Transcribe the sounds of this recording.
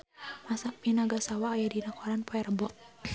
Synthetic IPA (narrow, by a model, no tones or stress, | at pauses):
masaminaɡasawaːjadinakɔɾanpɔɛrəbɔt̚